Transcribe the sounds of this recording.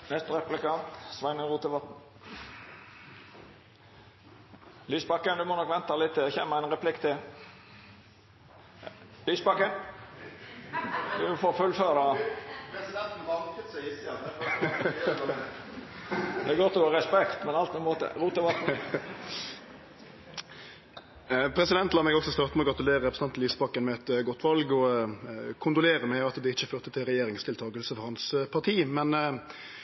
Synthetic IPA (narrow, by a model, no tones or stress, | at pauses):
nɛst̪ɾɛplɪkɑnt̪sʋɑɪnəʁuːt̪əʋɑt̪n̩ | lyːsbɑkːənd̪ʉmɔnɔkʋɛnt̪ɑlɪt̪ːɪɛçɛːməæɪnʁɛpʰlɪkt̪ʰɪ | lyːsbɑkə | d̪ʉfoːɾfʉlføːɾɑpɛsɪd̪ɛnt̪n̩ʋɑkt̪sɪsɑ | d̪ɛːɡɔt̪ːɔɡoːɾɛspɛkt̪mɛnɑlt̪nɛmoːt̪ə̰ɾuːt̪əʋɑt̪̩ | pʰɾɛsɪd̪ɛnt̪lɑʁmɛɡɔksɔst̪ɑːʁt̪mɛɔɡɾɑt̪ʉleːɾəɾɛpʁsnɑnt̪liːsəbɑkːənmɛɛt̪ɡɔt̪ːʋɑlɡɔ | kʰʊnd̪ʊleːɾəmɛɑt̪d̪ɛɪçːəføːʁt̪ət̪ʰɪlʁɛjeːɾɪŋst̪ʰɪlt̪ʰɑːɡəlsəfɔʁɾhɑnspʰɑʁt̪ʰiːmɛn